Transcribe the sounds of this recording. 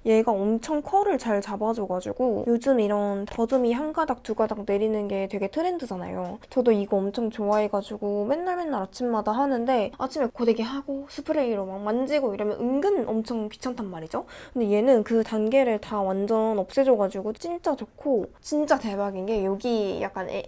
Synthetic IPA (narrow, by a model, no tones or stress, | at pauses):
je̞ɡaʌmt͡ɕʰʌŋkʰʌɾɯɭt͡ɕaɭt͡ɕabad͡ʑoɡad͡ʑuɡojod͡ʑɯmiɾʌntʌdɯmiɦanɡadak̚tuɡadak̚ne̞ɾinɯnɡe̞twe̞ɡe̞tʰɯɾendɯd͡ʑana̰jot͡ɕʌdoiɡʌʌmt͡ɕʰʌŋt͡ɕoae̞ɡad͡ʑuɡome̞nːaɭme̞nːaɾat͡ɕʰimːadaɦanɯnde̞at͡ɕʰimekodeɡeɦaɡ̥osʰɯpʰɯɾeiɾomaŋmand͡ʑiɡoiɾʌmjʌ̰nʔɯŋɡɯnʔʌmt͡ɕʰʌŋkɥi̥t͡ɕʰantʰanmaɾid͡ʑokɯndeie̞nɯnkɯtanɡe̞ɾɯɭtawand͡ʑʌnʌp̚s͈e̞d͡ʑoɡad͡ʑuɡot͡ɕ͈int͡ɕ͈at͡ɕokʰot͡ɕint͡ɕ͈ate̞baɡinɡe̞jʌɡija̰k͈an̰